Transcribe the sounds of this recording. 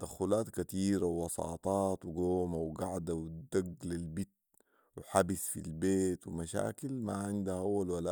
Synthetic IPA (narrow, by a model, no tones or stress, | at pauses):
d̪axuːlaːt̪kat̪iːɾawːɑsˤɑ̰ːt̪ˤɑːt̪wiɡoːmawɡaʕd̪awid̪aɡlalbit̪̚ | wħabisfḭlbeːt̪wimaʃa̰ːkilmaʕɪnd̪ahawːalwala